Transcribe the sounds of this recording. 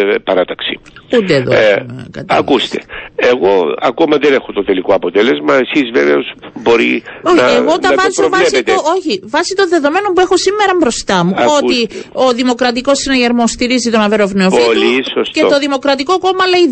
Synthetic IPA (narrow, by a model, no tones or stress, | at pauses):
pɐɾɐt̪ɐksi̥ud̪eːðokɐ̰t̪ɐ̰kkust̪e̥eɣo̞ɐ̰ko̞mɐðene̞xot̪ot̪e̞likoɐpot̪ele̞zmɐe̞sizveveosbo̞ɾioçnɐeɣo̞t̪ɐɐvɐovɐesiet̪ooçivɐsit̪onðe̞ðo̞me̞no̞mpuexo̞simːeɾɐmbɾo̞st̪ɐmuo̞t̪io̞ðimo̞kɾɐt̪̬iko̞sinɐʝeɾmost̪iɾizit̪o̞nɐveɾo̞vnoopfilisostceot̪o̞ðimo̞kɾɐt̪iko̞ko̞mɐlei